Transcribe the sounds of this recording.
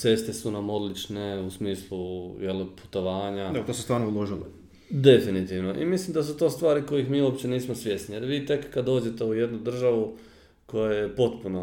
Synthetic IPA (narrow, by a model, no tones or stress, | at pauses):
se̞st̪esunamo̞d̪lit͡ʃne̞usmiːslˠujelpu̥t̪o̞ʋaːɲad̪et̪osest̪ʋaːɾnoulˠoʒilo | d̪e̞finit̪iʋno̞ʔḭmislimd̪as̬ut̪o̞ːst̪ʋaːɾiko̞jixmiːuopt͡ɕe̞niːsmosʋje̞snijeɾʋiːt̪e̞kːad̪o̞ːd͡ʑe̞t̪e̞uje̞d̪nud̪r̩ʒaʋu | ko̞jajepo̞t̪puno